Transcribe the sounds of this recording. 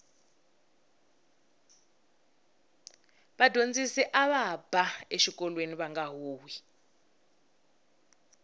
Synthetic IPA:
βadʱond͡zisɛʔaβab̥aeʃikɔlweniβaŋɡaɦoːwi

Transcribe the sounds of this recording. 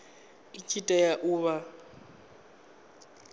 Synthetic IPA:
it͡ʃʰʼitʼajaʔuːβa

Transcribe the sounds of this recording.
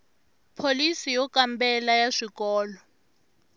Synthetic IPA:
pʰolisijɔkambɛlajaʂikɔːlɔ

